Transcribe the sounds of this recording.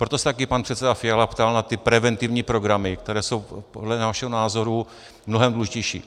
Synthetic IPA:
pɾo̞t̪osɛ̥t̪akɪpanpr̥ɛt̪sɛdafɪalapt̪alnat̪ɪpɾɛvɛnt̪ɪvɲiːpɾo̞ɡɾamɪkt̪ɛɾɛːso̞wpodlɛnaʃɛɦonaːzo̞ɾu | mnoɦɛmd̪luuʒɪcɛjʃḭː

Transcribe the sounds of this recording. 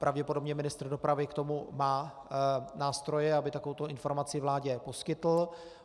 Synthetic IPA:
pɾʔavɟɛpodo̞bɲɛmɪnɪst̪r̩do̞pɾavɪkt̪o̞mumaː | naːst̪ɾojɛabɪt̪akovowt̪o̞ɪnfo̞ɾmat͡sɪvlaːɟɛpo̞skɪt̪l̩

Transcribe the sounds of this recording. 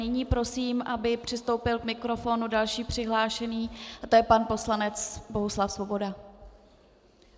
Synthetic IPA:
nɪɲiːpɾo̞siːmʔabɪpr̝̥ɪst̪o̞wpɪlkmɪkɾo̞fo̞nudalʃiːpr̝̥ɪɦlaːʃɛniːat̪o̞jɛpanpo̞slanɛt͡sbo̞ɦuslafsvo̞bo̞da

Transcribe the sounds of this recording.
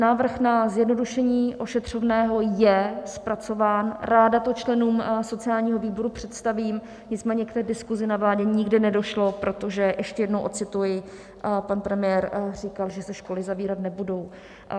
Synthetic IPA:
naːvr̩xnazjɛdno̞duʃɛɲiːʔo̞ʃɛt̪r̝̥o̞vnɛːɦo̞jɛspɾat͡so̞vaːnɾaːdat̪o̞t͡ʃlɛnuːmso̞t͡sɪaːlɲiːɦo̞viːbo̞ɾupr̝̥ɛt̪st̪aviːm | ɲɪt͡smɛːɲɛkt̪ɛːdɪskuzɪnavlaːɟɛɲɪɡdɪnɛdo̞ʃlo̞pɾo̞t̪o̞ʒɛjɛʃcɛjɛdno̞wʔo̞t̪t͡sɪt̪ujɪ | panpɾɛmɪjɛːɾr̝ikalʒɛsɛʃko̞lɪzaviːɾat̪nɛbudo̞w

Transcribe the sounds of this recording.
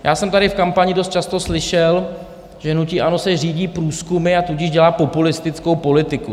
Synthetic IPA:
jʔaːsɛmt̪aɾɪfkampaɲɪdost̪̚t͡ʃast̪o̞slɪʃɛl | ʒ̥ɛnuciʔano̞sɛr̝iːɟiːpɾuːskumɪat̪uɟɪʒɟɛlaːpo̞pulɪst̪ɪt͡skowpo̞lɪt̪ɪku

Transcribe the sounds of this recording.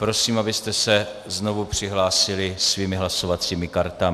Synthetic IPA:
pɾo̞siːmabɪst̪ɛsɛ | zno̞vupr̝̥ɪɦlaːsɪlɪsviːmɪɦlaso̞vat͡siːmɪkaɾt̪amɪ

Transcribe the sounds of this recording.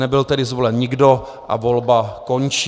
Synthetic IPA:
ɛbɪlt̪ɛdɪzvo̞lɛnɲɪɡdo̞ | ʔa̰vo̞lbakont͡ʃ

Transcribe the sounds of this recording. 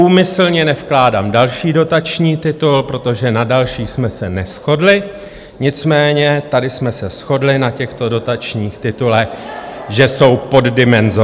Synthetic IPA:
uːmɪsl̩ɲɛnɛfklaːdaːmdalʃiːdo̞t̪at͡ʃɲiːt̪ɪt̪ulpɾo̞t̪o̞ʒɛnadalʃiːsmɛsɛnɛsxo̞dlɪ | ɲɪt͡smɛːɲɛt̪adɪsmɛsɛsxo̞dlɪnacɛxt̪o̞do̞t̪at͡ʃɲiːxt̪ɪt̪ulɛʒɛso̞wpo̞ddɪmɛnzo

